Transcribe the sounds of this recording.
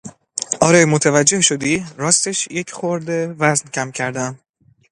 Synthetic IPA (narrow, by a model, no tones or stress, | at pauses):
ʔɒːɾɛːjmot̪ʰevæd͡ʒːe̞hʃod̪iːɾɒːst̪e̞ʃjecʰχoɾd̪evæzncʰæmcʰæɾd̪æm